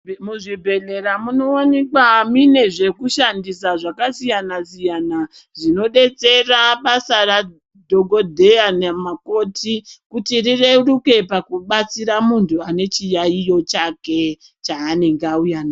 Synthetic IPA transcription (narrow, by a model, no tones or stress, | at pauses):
muʐibʱe̞le̞ɾamuno̞onekwamine̞ʐe̞kuʃandisaʐakasijanasijana | ʐino̞ɗe̞t͡se̞raɓasara | dʱo̞ɡʱo̞dʱe̞anemako̞tʰikutirire̞ruke̞pakuɓat͡siɾamuntʰuane̞t͡ʃijaijo̞t͡ʃake̞ | t͡ʃaːne̞ŋɡaujana